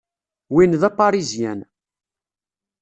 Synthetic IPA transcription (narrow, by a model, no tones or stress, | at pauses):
winðæfɑɾizjæn